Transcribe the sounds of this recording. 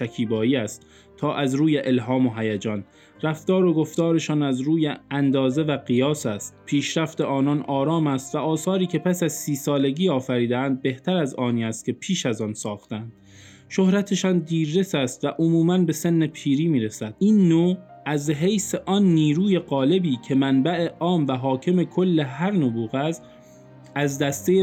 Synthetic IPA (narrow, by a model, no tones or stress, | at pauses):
ʃækʰiːbɒːjiːæst̪ | t̪ʰɒːʔæzɾuːjeʔelɦɒːmoɦæjæd͡ʒɒːn | ɾæft̪ɒːɾo̞ɡo̞ft̪ɒːɾe̞ʃɒːnæzɾuːjeænd̪ɒːze̞væɡijɒːsæst̪pʰiːʃɾæft̪e̞ʔɒːnɒnʔɒːɾɒːmæst̪væʔɒːsɒːɾiːcʰe̞pʰæsæzsiːsɒːle̞ɟiːɒːfæɾiːd̪eæːnd̪̚be̞ht̪ʰæɾæzɒːniːæst̪̚kʰʲe̞pʰiːʃæzɒnsɒːxt̪ænd̪̥ | ʃohɾæt̪ʰe̞ʃɒːnd̪iːɾːe̞sæst̪væʔomuːmænbe̞se̞nːe̞pʰiːɾiːmiːɾesæd̪̥̚iːnːoːæzɦe̞jseʔɒnːiːɾuːje̞ɢɒːle̞biːcʰe̞mænbæʔe̞ʔɒːmvæɦɒːcʰe̞me̞kʰo̞lːe̞ɦæɾnobuːɣæz | æzd̪æst̪e̞je